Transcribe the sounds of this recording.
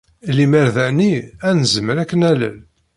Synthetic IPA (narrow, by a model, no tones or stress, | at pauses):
limæɾðæniænəzəməɾækːənælə̰n